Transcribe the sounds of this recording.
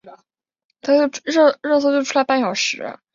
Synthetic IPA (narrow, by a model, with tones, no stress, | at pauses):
t̪ʰa˥t͡ɕjʊɻɤ˥˩ɻɤ˥˩s̬wɤ˥t͡ɕjʊʈ͡ʂʰu˥la˧˥ɪpa˥˩jɑ˨˩ʊʂɻ̩̰˧˥˧